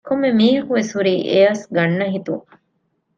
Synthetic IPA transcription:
komːemiːɦɐkuʋeshuɾiːʔeɐsɡɐnːɐɦit̪uŋ

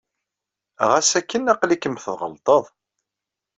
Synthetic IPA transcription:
ʁæsækːənæqlikəmθðʁə̰lt̪ˤəðˤ

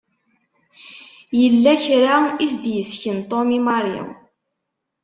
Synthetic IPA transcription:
jəlːæçɾaisd̪jəsçənt̪ˤonimaɾjḭ

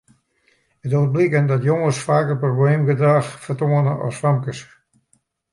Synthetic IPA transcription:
ətot̚blikəndɔtjoŋəsfaːkərprobleːmɡədraxfərtoənəʔɔ̰sfamkəs

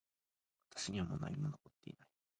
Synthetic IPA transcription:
βat̪ḁɕiɲ̟iβamo̰na̰ɲʲimad̪okot̪ːe̞̰ḭnai

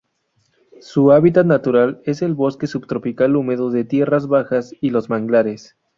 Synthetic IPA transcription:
suaβit̪at̪nat̪uɾale̞se̞lβo̞ske̞subt̪ɾo̞pikalume̞ðoðe̞t̪je̞razβaxasilo̞zmaŋɡlaɾe̞s

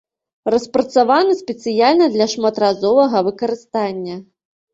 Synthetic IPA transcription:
rɐspɾɐt̪savanɐsʲpʲɛt̪sɨjalʲnɐd̪lʲɐʂmat̪razɔvɐɣɐvɨkɐɾɨst̪anʲːɐ

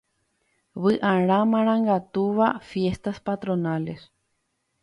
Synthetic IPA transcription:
βɨʔãɾ̃ãmãɾ̃ãŋɡat̪uʋafje̞st̪aspat̪ɾõnale̞s

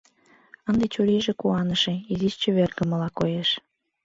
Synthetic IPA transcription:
ənd̪et͡ɕuɾʲeʒĕkuɑnəʃĕiziʃt͡ɕĕβerɡə̆məlɑkojeʃ

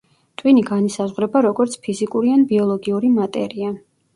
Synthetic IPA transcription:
t̪ʼwiniɡanisazʁɾɛbaɾɔɡɔɾt̪sʰpʰizikʼuɾianbiɔlˠɔɡiuɾimat̪ʼɛɾia

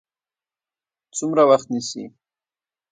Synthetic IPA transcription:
t͡sʊmɾawaχt̪nisḭ

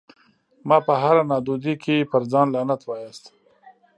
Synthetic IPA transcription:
mɑːpəɦaɾanɑd̪ud̪ikʰepəɾzɑːnlanat̪wɑjast̪

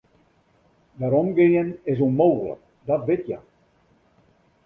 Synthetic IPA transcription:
daɾɔmɡeənɪs̬unmowɣlə̰k̚ | dɔtbɪtja̰

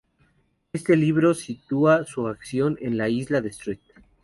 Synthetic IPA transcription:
est̪e̞liβ̞ɾo̞sit̪uasuaksjo̞nenlaizlaðe̞st̪ɾit̪

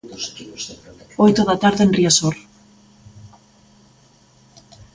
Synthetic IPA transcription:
ojt̪oðat̪aɾðeenriasoɾ

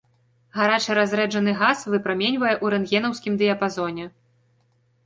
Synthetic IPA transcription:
ɣaɾat͡ʂɨɾazʲɾɛd͡ʐɐn̪ɨɣasvɨpɾamʲɛnʲvɐjɛʔuɾɛnɣʲɛn̪ɐwsʲkʲimd̪ɨjɐpazɔnʲɛ

